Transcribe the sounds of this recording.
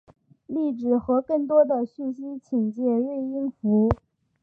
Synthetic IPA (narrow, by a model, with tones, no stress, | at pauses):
li˥˩ʈ͡ʂɻ̩˨˩xɤ˧˥kɤ˥˩ŋt̪wɔ˥d̪ə˨ɕy˥˩nɕi˥t͡ɕʰi˨˩ŋt͡ɕjɛ˥˧ɻwe˥˧ɪi˥nfu˧˥